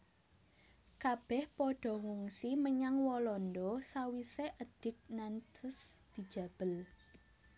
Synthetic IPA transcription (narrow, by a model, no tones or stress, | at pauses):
kab̥ɛhpɔɖ̥ɔ̤ŋuŋsiməɲaŋwɔlɔnd̪ɔsawiseʔəd̪̥ɪ̤k̚nant̪ʰəsd̪̥i̤d̥ʒ̥ä̤b̥ə̤l